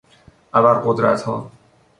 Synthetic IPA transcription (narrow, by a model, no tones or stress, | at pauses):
ʔæbæɾɢod̪ɾæ̰t̪hɒː